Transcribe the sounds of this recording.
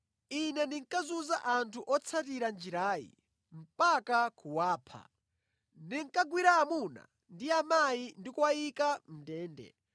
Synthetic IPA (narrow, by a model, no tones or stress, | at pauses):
inɛndiŋkazuzaʔantʰuʔɔt͡sʰatiɾand͡ʒiɾaːjḭ | m̩pakakʰuwaːpʰa̰ | ndiŋ̩kaɡwiɾaːmuna̰ | ndiamajindikwaikam̩dɛːndɛ̰